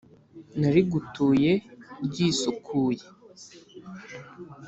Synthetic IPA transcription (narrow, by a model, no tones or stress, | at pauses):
naɾiɡutuːje̞ɾɟiːsukʰuːje